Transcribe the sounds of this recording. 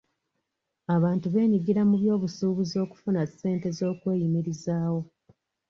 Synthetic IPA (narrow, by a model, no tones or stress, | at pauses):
aβaːntuβe̞ːɲiɡiɾamuβjo̞ːβusuːβuzo̞ːku̥funase̞ːnte̞zo̞ːkwe̞ːjimiɾizaːwo̞